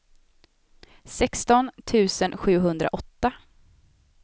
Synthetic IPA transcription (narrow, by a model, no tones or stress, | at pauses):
sɛkst̪ɔnt̪ʰʉ̟ːsənɧʉ̟ːɦɵnd̪ɾa̰ʔɔt̪ːa